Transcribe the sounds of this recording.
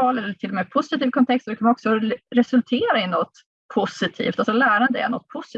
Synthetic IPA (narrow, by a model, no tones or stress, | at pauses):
ɑːlɛlːəʈʰɪlːɔmɛpʰʊsɪt̪ʰiːvkʰɔnt̪ʰɛkst̪dɛkʰɔmːaɔksɔɾɛsɵlt̪ʰeːɾaɪnɔt̪ː | pʰʊsɪt̪ʰḭːft̪alsɔlæːɾand̪əɛ̰ɳɔt̪̚ːpʰʊsɪ